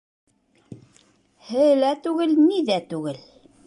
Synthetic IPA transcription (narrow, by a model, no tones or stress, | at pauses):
hɘ̆jlæt̪ʉɣɘlniðæt̪ʉɡɘl